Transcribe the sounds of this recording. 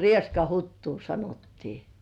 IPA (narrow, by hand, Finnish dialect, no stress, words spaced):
rieskɑhutːuː sɑnotːiː